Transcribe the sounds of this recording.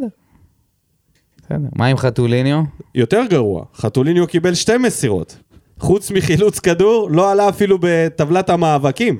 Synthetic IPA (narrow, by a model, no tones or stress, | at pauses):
e | esḛd̪eʁmaimχat̪ulinjojo̞te̞ʁɡaʁua̰χat̪ulinjokibe̞lʃte̞mesiʁo̞̰t̪ | χut͡smiχilut͡skaduʁlo̞alaːfilube̞tavlathamaːvakim